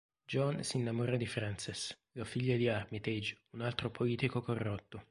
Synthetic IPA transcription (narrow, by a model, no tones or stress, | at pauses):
d͡ʒɔnsinːamoɾad̪ifɾansis | lafiʎːad̪iarmit̪ed͡ʒunalt̪ɾopʰoliːt̪ikokorːot̪ːo